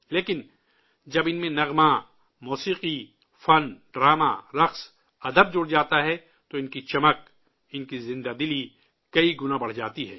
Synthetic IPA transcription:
leːkɪn | d͡ʒɐbɪnmẽnɐɣma | muːsiːqi | fɐnɖɾaːma̰ɾɐqs | ɐd̪əb̚d͡ʒʊɽd͡ʒaːt̪aɦɛ | t̪oɪnkit͡ʃɐmək̚ | ɪnkizɪ̃nd̪ad̪ɪli | kɐiɡʊnãbɐɽ̤d͡ʒaːt̪iɦɛː

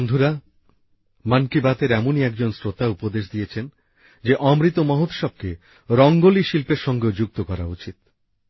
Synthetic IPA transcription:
ond̪ʱuɾa | mankibat̪eɾɛmoniɛk̚d͡ʑonsɾot̪aupod̪eʃd̪ijet͡ɕʰen | d͡ʑeʔɔmɾit̪omɔɦot̪ʃɔb̚ke | ɾɔŋɡoliʃilpeɾʃɔŋɡeod͡ʑuk̚t̪okɔɾa̰ut͡ɕit̪

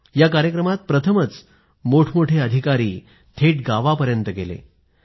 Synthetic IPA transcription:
jakaɾjəkɾəmat̪̚pɾət̪ʰəmət͡s | moʈʰmoʈʰeəd̪ʱikaɾiː | t̪ʰeʈɡaʋapəɾjənt̪əɡelḛ

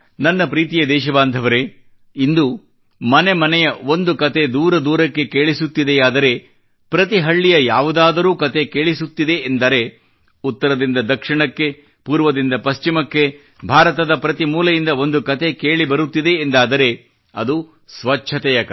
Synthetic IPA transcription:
nɐnːɐpɾiːt̪ijɐd̪ɛːʃ̬ɐbaːnd̪ʱɐʋɐɾe̞ | ind̪u | mɐnemɐnɛjɐo̞nd̪ukɐt̪e̞d̪uːɾɐd̪uːɾɐkːe̞keːɭisut̪ːid̪eaːd̪ɐɾe̞ | pɾɐt̪iɦɐɭːijɐjaːʋud̪aːd̪ɐɾuːkɐt̪e̞keːɭisut̪ːid̪e̞ːnd̪ɐɾe̞ | ut̪ːɐɾɐd̪ind̪ɐd̪ɐkʂiɳɐkːe̞ | puːɾʋɐd̪ind̪ɐpɐst͡ʃimɐkːe̞ | bʱaːɾɐt̪ɐd̪ɐpɾɐt̪imuːlɐjind̪ɐo̞nd̪ukɐt̪ʰe̞ke̞ːɭibɐɾut̪ːid̪e̞ːnd̪aːd̪ɐɾe̞ | ɐd̪u | sʋɐt͡ʃːʰɐt̪ɛjɐk

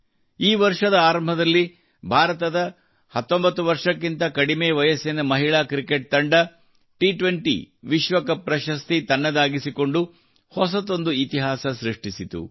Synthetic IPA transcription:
iːʋɐɾʂɐd̪ɐaːɾɐmbʱɐd̪ɐlːi | bʱaːɾɐt̪ɐd̪ɐ | hɐt̪ːo̞mbɐt̪ːuʋɐɾʂɐkːint̪ɐkɐɽimeːʋɐjɐsenɐmɐɦiɭaːkɾikeʈ̚t̪ɐɳɖɐ | ʈiʈʋeɳʈḭ | ʋiʃʋɐkɐpɾɐʃɐst̪it̪ɐnːɐd̪aːɡisiko̞ɳɖu | hɔsɐt̪o̞nd̪uit̪iɦaːsɐʃɾiʂʈisit̪ṵ

